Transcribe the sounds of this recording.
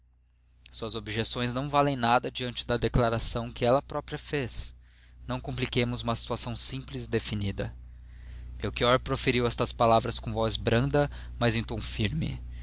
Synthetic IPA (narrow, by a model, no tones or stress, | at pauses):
suɐzobiʒesõj̃znɐ̃w̃valẽj̃nad̪ɐd͡ʒiɐ̃nt͡ʃɪd̪ɐd̪eklaɾasɐ̃w̃kɪɛlɐpɾɔpɾiɐfes | nɐ̃w̃kõmplikẽmʊzũmɐsi̥t̪uasɐ̃w̃sĩplɪzd̪efinid̪ɐ | mewkiɔɾpɾofeɾiwɛst̪ɐspalavɾɐskõvɔzbɾɐ̃nd̪ɐmɐzẽj̃t̪õfiɾmɪ̰